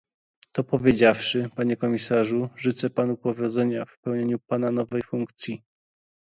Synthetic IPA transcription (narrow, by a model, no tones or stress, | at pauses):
t̪ɔpɔvʲjed͡ʑafʂɘpaɲɛkɔmʲisaʐuʐɘt̪sɛpanupɔvʲjɔd̪zɛɲafpɛwɲeɲupananɔvɛjfuŋkt̪sʲji